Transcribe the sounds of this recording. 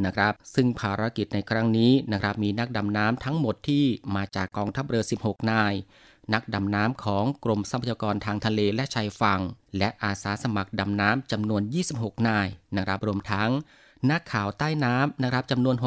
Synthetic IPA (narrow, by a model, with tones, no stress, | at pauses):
na˦˥kʰɾa˦˥p̚sɯ˥˩ŋpʰaː˧ɾa˦˥ki˨˩t̪̚na˧jkʰɾa˦˥ŋniː˦˥na˦˥kʰɾa˦˥p̚miː˧na˦˥k̚da˨˧mnaː˦˥mt̪ʰa˦˥ŋmo˨˩t̪ʰːiː˥˩maː˧t͡ɕaː˨˩kːɔː˧ŋt̪ʰa˦˥˩p̚ɾɤː˧si˨˩p̚ho˨˩k̚naː˧j | na˦˥k̚da˨mnaː˦˥mkʰɔː˩˦ŋkɾo˧msa˧˥pʰa˩ja˧kɔː˧nt̪ʰaː˧ŋt̪ʰa˧leː˧lɛ˦˥ʔt͡ɕʰaː˧jfa˧ŋlɛ˦˥ʔaː˧saː˩˦sa˧ma˨˩k̚da˨˧mnaː˦˥mt͡ɕa˧mnu˧ənjiː˥˩si˨˩p̚ɦho˨˩k̚naː˧˩jna˦˥kʰɾa˦˥p̚ɾu˧əmt̪ʰa˦˥ŋ | na˦˥kʰːaː˨˩wt̪aː˥˩jnaː˦˥mna˦˥kʰɾa˦˥p̚t͡ɕa˧mnu˧ənɦo˨˩